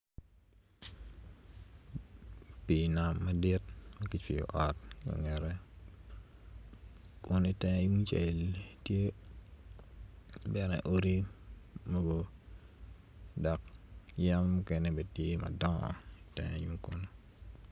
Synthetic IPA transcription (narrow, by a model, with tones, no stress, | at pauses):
pi˨na˨mːa˦di˦t̚ma˦ki˦t͡ʃi˨jɔ̰˨ʔɔ˨t̚kɔ̰˨ŋɛ˨ɾɛ˦ | kʊ˦ni˦tɛ˦ju˦ŋt͡ʃe˨ltje˦ | bɛ˦ɾɛ̰˨ʔo˦ɾi˦ | mo˦ɡo˦ | dɔ˨k̚ja˦mːukɛ˨nɛbe˨tje˦ma̰˨dɔ̰̃˦˨i˨tɛ̰ŋju˦ŋkʊ˦no˦